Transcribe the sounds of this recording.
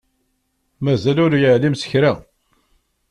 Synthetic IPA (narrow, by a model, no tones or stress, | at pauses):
mæzælʊɾjəʕlimsə̥çɾa